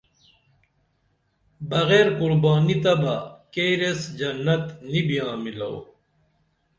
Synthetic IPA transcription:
bɐɣeːɾkuɾbaːnit̪ɐbɐkeːɾesd͡ʑɐnːɐt̪nibijãːmilɐ̰w

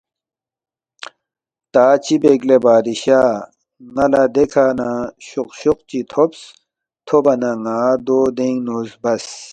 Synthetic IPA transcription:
t̪aːt͡ɕibeɡlebaːd̪iɕaː | ŋɐlad̪ekʰaːnãɕuqɕuq̚t͡ɕit̪ʰops | t̪ʰobɐnaŋaːd̪oːd̪eŋnuːzbɐs

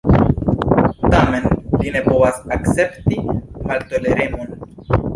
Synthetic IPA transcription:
tame̞nline̞po̞vasakt͡se̞ptimalto̞le̞ɾe̞mo̞n

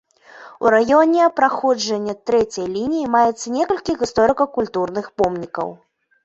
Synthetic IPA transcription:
ṵɾajɔnʲɛpɾaxɔd͡ʐɐnʲːɐt̪ɾɛt͡sʲɐjlʲinʲijimajɛt̪sːɐnʲɛkɐlʲkʲiɣist̪ɔɾɨkɐkulʲt̪urnɨxpɔmnʲikɐ̰w

